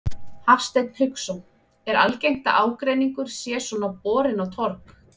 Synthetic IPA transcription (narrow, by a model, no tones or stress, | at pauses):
hafst̪ejt̪ʰɾʏksɔn | ɛɾalcejŋ̥t̪a̰ʔaːwkɾejniŋkʏɾ̥sjɛːsɔnawpɔːɾɪnawt̪ʰɔɾk